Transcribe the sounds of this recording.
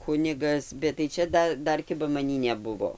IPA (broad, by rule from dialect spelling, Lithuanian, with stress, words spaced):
ˈkʊnʲɪɡɐs bʲɛt tɐɪ ˈt͡ʃʲɛ ˈdɐ ˈdɐr ˈkʲɪbɐ mɐˈnʲiː nʲɛˈbʊʋoː